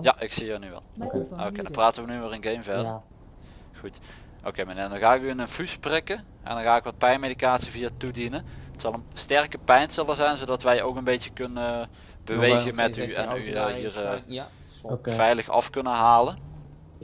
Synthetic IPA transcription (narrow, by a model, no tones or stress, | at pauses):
jaʔɪksiənyʋɛ̰lˠokedɑpraːtəʋənyʋaːrənɡejmvɛrdə | xut | ʔo̰kejmənedɔnɣaːɪkyənənfysprɪkə | ʔɛ̰ndɔnɣaːɪkʋɑt̚pɛjnmejdikaːtsiviːatudinənətsɑlˠənstɛrkəpɛjnsɛlˠəzɛjnzowdɑtʋɛjowkənbejəkɵnə | bəʋejɣəmɛtyɛ̰nyɦiːr | vɛjləxɑ̰fkɵnəɦaːlən